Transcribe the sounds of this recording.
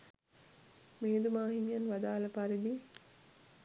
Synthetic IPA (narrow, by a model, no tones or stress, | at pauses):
meːd̪umaːɦinjɐnʋɐd̪aːlɐpaɾid̪i